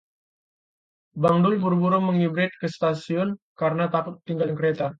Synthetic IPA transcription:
baŋdʊlbuɾbuɾɔməŋibɾɪt̪̚kəst̪asiɔnkaɾənat̪akʊt̪ːiŋɡaljaŋkəɾet̪a

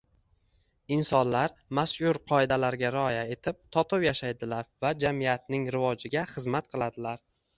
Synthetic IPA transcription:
ɪnsɒnlaɾmasʊɾqʰɒɪd̪alaɾɡʲaɾɪɒjae̞t̪ʰɪp̚t̪ʰɒt̪ʰɨwjaʃajd̪ɪlaɾvad͡ʒamijat̪nɪŋɾɪvɒd͡ʒɪɡʲaχɨzmat̪qʰɨlˠad̪ɪlaɾ

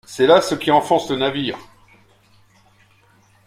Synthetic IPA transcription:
sɛlasəkʲiɑ̃fɔ̃slənaviːʁ

